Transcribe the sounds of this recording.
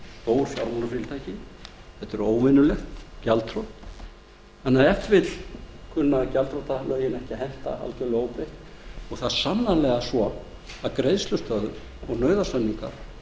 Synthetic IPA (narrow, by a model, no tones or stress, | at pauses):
t̪oːwɾfjaɾmɔnafɾɪlt̪ʰajcɪθɛht̪ɛɾoːwmɪnʏlɛxt̪calt̪ʰɾɔt̪ | anːaɛft̪vɪt̪lkʰʏnːacalt̪ɾowt̪alœːjɪnɛhcɪɦɛn̥t̪a̰a̰ltʏloːwpɪhɔɣθaðsanːalɛɣasvɔ | aðkɾejðslʏst̪œðʏm | ɔɣnœːɥðasanːiŋka̰ɾ̥